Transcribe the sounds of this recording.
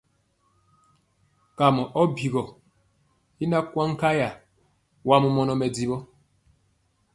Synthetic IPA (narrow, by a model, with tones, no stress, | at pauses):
ka˨mɔ˨ʔɔ˦bi˨ɣɔ˨ | i˦na˦kwa˦ŋ˦ka˦ja˨ | wa˦mu˦mɔ˨nɔ˨mɛ˨di˨bɔ˦